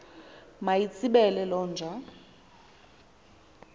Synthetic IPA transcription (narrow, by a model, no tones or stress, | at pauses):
majit͡sʰʼiɓɛlɛlɔːnd͡ʒʱa